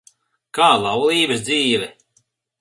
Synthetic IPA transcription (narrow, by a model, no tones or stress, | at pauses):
kaːlˠawlˠiːbɨsd̪ziːvɛ